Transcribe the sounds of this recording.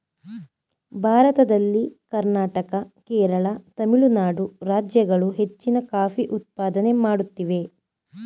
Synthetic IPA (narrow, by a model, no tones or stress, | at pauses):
bʱaːɾɐt̪ɐd̪ɐlːikɐɾnaːʈɐkɐkɛːɾɐɭɐt̪ɐmiɭunaːɽuɾaːd͡ʒjɐɡɐɭuɦe̞t͡ʃːinɐkaːfiʔut̪̚paːd̪ɐne̞maːɽut̪ːiʋe̞